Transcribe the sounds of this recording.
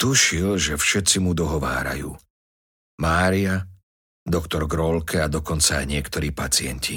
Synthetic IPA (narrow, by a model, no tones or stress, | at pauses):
t̪uʃilʒɛfʃɛt̪t͡simud̪ɔɦɔʋa̰ːɾa̰jṵː | maːɾia | d̪ɔkt̪ɔɾɡɾɔlkʰɛad̪ɔkɔnt͡saːjɲɪɛkt̪ɔɾiːpat͡sɪɛncʰi